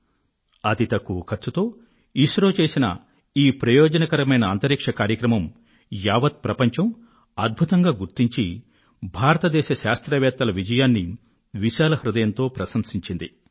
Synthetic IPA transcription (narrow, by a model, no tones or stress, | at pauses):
ɐt̪it̪ɐkːukʰɐt͡ʃːut̪o̞ː | iʃɾoːt͡ʃe̞ːsinɐ̰ | iːpɾɐjoːd͡ʒɐnɐkɐɾɐmɐjnɐːnt̪ɐɾikʂɐkaːɾjɐkɾɐmɐm | jaːʋɐt̪̚pɾɐpɐɲt͡ʃɐm | ɐd̪̚bʱut̪ɐŋɡaːɡuɾt̪iɲt͡ʃi | bʱaːɾɐt̪ɐd̪ɛːʃɐʃaːst̪ɾɐʋjaːt̪ːɐlɐʋid͡ʒɐjaːnːi | ʋiʃaːlɐhɾud̪ɐjɐnt̪o̞ːpɾɐsɐmsiɲt͡ʃind̪i